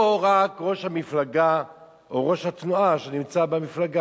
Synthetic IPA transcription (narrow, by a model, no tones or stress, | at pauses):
oʁakʁo̞ʃhamiflaɡa | ʔoʁo̞ʃhat̪nuaʃenimt͡sabemiflaɡa